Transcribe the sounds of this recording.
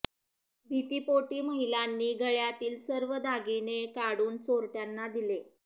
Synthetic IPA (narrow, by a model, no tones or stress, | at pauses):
bʱit̪iːpoʈiːməɦilanːiːɡʱəɭjat̪iːlsəɾʋəd̪ʱaɡinekaɽuːnt͡soɾʈjanːad̪ile